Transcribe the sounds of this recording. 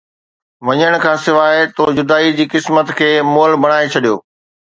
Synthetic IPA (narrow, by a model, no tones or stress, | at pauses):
ʋɐɲəɽ̃̆kʰãːsɪʋaːet̪od͡ʑʊd̪aːid͡ʑiːkɪsmət̪kʰeːmoːlbɐɽ̃aːet͡ɕʰɐɗijoː